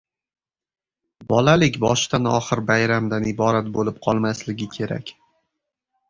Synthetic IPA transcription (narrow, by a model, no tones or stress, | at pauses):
bɒlalɪkʲbɒʃt̪anɒ̰χɨɾbajɾamd̪anɪbɒɾat̪̚bolɪp̚qʰɒlˠmaslɪɡʲɪkʲʰe̞ɾa̰kʲ